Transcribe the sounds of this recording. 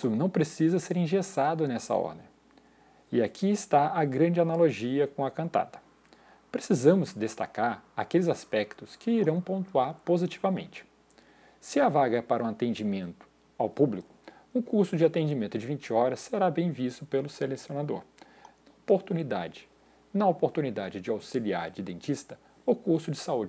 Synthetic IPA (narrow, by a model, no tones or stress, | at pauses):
sʊnɐ̃w̃pɾesizɐseɾĩʒesad̪ʊnɛsɐ̰ɔ̰ɾd̪ẽ | ɪakʰiɪst̪aɐɡɾɐ̃d͡ʒɪanaloʒiɐkõw̃ɐkɐ̃nt̪a̰d̪ɐ̥ | pɾesizɐ̃mʊzd̪est̪a̰kaɾakelɪzaspɛkt̪ʊskɪiɾɐ̃w̃põnt̪uaɾpozit͡ʃivɐmḛ̃nt͡ʃɪ̥ | sɪɐvaɡɐɛpaɾũat̪ẽnd͡ʒimẽnt̪ʊ̥ | awpublikʊ̥ | ʊkuɾsʊd͡ʒɪat̪ẽd͡ʒimẽnt̪ʊd͡ʒɪvĩnt͡ʃɪɔɾɐsːeɾabẽj̃vist̪ʊpelʊselesionad̪o̰ɾ | nnɐpoɾt̪unid̪a̰d͡ʒɪ̥ | nɐopoɾt̪unid̪ad͡ʒɪd͡ʒɪawsilia̰ɾd͡ʒɪd̪ẽnt͡ʃist̪ɐ | ʊkuɾsʊd͡ʒɪsaud͡ʒɪ